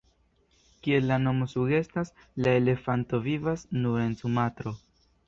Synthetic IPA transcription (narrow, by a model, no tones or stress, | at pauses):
kie̞lːano̞mo̞suɡe̞stas | lae̞le̞fanto̞vivasnuɾe̞nsumatɾo̞